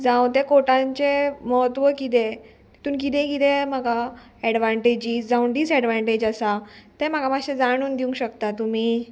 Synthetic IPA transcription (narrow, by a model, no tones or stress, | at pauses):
d͡zaw̃t̪ẽkoʈãɲt͡ɕeməɦət̪ʋəkit̪̬e | i̥t̪uːnk̬it̪ẽkit̪em̤aɡa | ɛɽʋãɳʈed͡ʑiːsd͡zauɳɖ̪iːt͡sɛɽʋaɳʈed͡ʑasat̪em̤aɡamaɕẽd͡zaɽ̃uːnd̪iũŋɡɕəkt̪at̪um̤iː